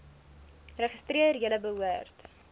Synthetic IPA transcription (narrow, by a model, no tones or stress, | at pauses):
rəχəstriərjələbəɦuərt